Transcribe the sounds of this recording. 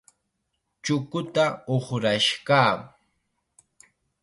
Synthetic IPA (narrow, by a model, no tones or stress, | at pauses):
t͡ʃʊkʊt̪aoχɾaʃkaː